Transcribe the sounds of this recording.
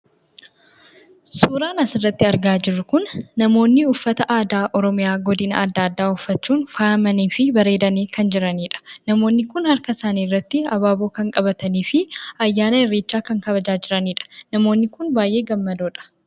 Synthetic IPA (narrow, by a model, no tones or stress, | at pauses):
suːɾaːnɐsɪrːɐt̪ːɪɐɾɡaːd͡ʒɪrːʊkʊnːɐmo̞ːnːɪʊfːɐt̪ɐʔaːd̪aːʔɔɾɔmɪjaːɡɔd̪ɪnɐ̰ɐd̪ːaːd̪ːaːʊfːɐt͡ʃːuːnfaɐmɐniːfɪbɐɾe̞ːd̪ɐniːkʰɐnd͡ʒɪɾɐniːᶑɐ̥nɐmo̞ːnːɪkʊnhɐɾkɐsaːniːrːɐt̪ːɪɐbaːbo̞ːkɐŋkʼɐbɐt̪ɐniːfɪɐjːaːnɐɛrːeːt͡ʃːaːkɐŋkɐβɐd͡ʒaːd͡ʒɪɾɐniːᶑɐ̥nɐmo̞ːnːɪkʊnbaːjʔe̞ːɡɐmːɐd̪oːᶑɐ̥